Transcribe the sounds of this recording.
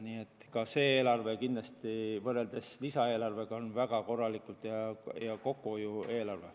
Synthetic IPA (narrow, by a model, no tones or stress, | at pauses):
niːe̞t̪ːˑkɑse̞ːeːlɑrve̞kind̪lɑst̪ivɤrːe̞ld̪̥e̞slisɑe̞ːlɑrve̞ɡ̥ɑonvæɡ̥ɑko̞rːɑlikult̪jɑjɑko̞kːˑuojue̞ːlɑrve